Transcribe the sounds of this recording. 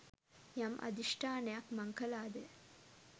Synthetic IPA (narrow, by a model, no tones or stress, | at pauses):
jɐmʔɐ̰d̪iʂʈʰaːnejakmɐŋkɐlaːd̪e